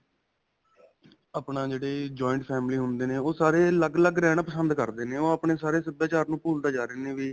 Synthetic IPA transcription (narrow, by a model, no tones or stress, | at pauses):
aːpɳaːd͡ʒeːɽeːd͡ʒɔːɪɳʈpʰɛːmliːɦʊnd̪eːneːoːsaːɾeːləɡləɡɾɛːɽ̃aːpəsənd̪kəɾd̪eːneːoːapɳeːsaːɾeːsəbjaːt͡ʃaːɾnũːpuːlt̪aːd͡ʒaːɾeːneːʋiː